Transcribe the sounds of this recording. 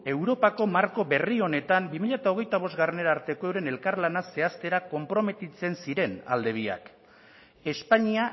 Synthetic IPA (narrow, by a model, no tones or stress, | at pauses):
e̞wɾo̞pako̞maɾko̞be̞rio̞ne̞t̪ambimiʎat̪ao̞ɣ̞e̞jt̪aβo̞zɡarene̞ɾaːɾt̪e̞ko̞ewɾe̞ne̞lkaɾlanase̞ast̪e̞ɾako̞mpɾo̞me̞t̪it͡se̞nsiɾe̞na̰ld̪e̞β̞ia̰k | e̞spaɲia